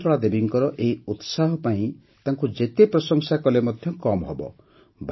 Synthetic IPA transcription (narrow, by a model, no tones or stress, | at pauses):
tɔɭad̪ebiŋkɔɾɔʔeiut̪saɦɔpaĩ | t̪aŋkud͡ʒet̪epɾɔsɔŋsakɔlemɔd̪ʱjɔkɔmɔɦɔbɔ̰ | bʱ